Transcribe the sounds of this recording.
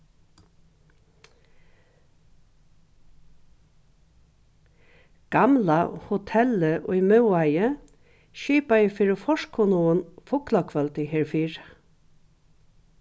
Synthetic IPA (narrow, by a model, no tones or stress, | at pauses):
ɡ̥amla̰hʊt̪ʰɛləʔʊ̰jmœwajə | ʃiːpajəfɪɾɪfɔʃkʰːʊnuənfʊklakʰʋœlt̪ɪɦeɹfiːɹ